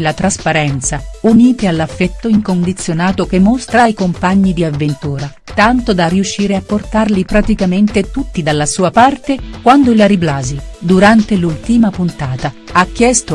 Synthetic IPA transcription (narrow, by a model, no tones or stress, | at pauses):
lat̪ɾaspaɾɛnt̪sauniːt̪ealːafːɛt̪ːoiŋkond̪it̪sːjonaːt̪okemːost̪ɾaːjkompaɲːid̪iavːent̪uːɾa | t̪ant̪od̪ariuʃːiːɾeapːort̪arlipɾat̪ikament̪et̪ut̪ːid̪alːasuːapart̪ekwand̪oilaɾiblaːzid̪uɾant̪elult̪imapunt̪aːt̪aak̟ːjɛst̪o